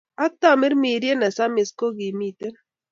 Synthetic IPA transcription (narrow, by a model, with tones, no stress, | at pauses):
a˦t̪a˦˨mɪ˦ɾmi˨ɾje˦nɛ˨sa˦mɪ˨sko˦ɡi˨mi˨t̪e˦n